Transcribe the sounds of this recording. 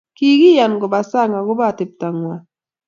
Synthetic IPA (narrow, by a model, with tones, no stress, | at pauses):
ki˦ɡi˦ja˨nɡɔ˨ba˨sa˦˨ŋa˨ɡʊ˦ba˦˨tɪ˨p̚ta˨ŋwa˨